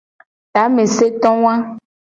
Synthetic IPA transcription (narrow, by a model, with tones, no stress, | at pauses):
t̪a˨˦me˨se˦t̪ɔ̃˦w̃ã˦